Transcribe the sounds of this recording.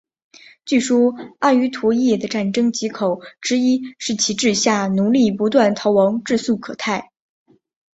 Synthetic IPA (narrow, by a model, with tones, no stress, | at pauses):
t͡ɕy˥˩ʂɔ˥a˥˩y˧˥t̪ʰwɔ˧˥jɛ˥˩d̪ə˦ʈ͡ʂa˥˩nʈ͡ʂɤ˥ŋt͡ɕi˧˥kʰo˨˩ʊʈ͡ʂɻ̩˧˥i˥ʂɻ̩˥˩t͡ɕʰi˧˥ʈ͡ʂɻ̩˥˧ɕja˥˩nu˧˥li˥˩pu˧˥t̪wa˥˩nt̪ʰɑ˧˥ʊwɑ˧˥ŋʈ͡ʂɻ̩˥˧su˥˩kʰɤ̰˨˩t̪ʰa˥˩ɪ